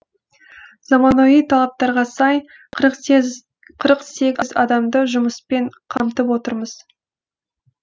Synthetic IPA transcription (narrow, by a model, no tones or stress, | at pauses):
z̥ɑmɑnojijt̪ʰɑlˠɑp̚t̪ɑɾʁɑsɑj | qʰɾq | qʰəɾəqse̞kʲzɑ̰d̪ɑmd̪əʒʊməspeɴqʰɑmt̪əpwo̞t̪əɾməz̥